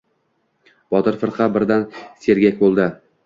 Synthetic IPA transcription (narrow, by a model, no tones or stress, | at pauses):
b̥ɒt̪ɪɾfɪɾqʰɑbɪɾd̪anse̞ɾɡʲakʲbolˠd̪ɪ